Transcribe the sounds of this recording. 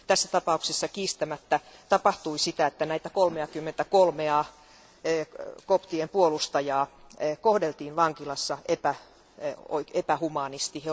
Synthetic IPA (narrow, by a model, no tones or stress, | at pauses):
t̪æsːæt̪ɑpɑuksesːɑkiːst̪æmæt̪ːæt̪ɑpɑht̪uisit̪æet̪ːænæit̪ækolmeɑkymːent̪ækolmeɑː | kopt̪iempuolust̪ɑjɑːkohdelt̪iːnʋɑŋkilɑsːɑʔepæ | o̰epæhumɑːnist̪ihe